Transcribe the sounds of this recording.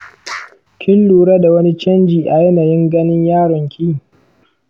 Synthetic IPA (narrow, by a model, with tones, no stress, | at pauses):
kʲʰɪ˦nluː˨ɽa˦da˨wɐ˦ni˦t͡ʃɐ˦nd͡ʒiː˨ʔa˨jɐ˦naː˨jɪ˦ŋɡɐ˦nɪ˦ɲjaː˦ɽɐ˨ŋkʲʰiː˦˨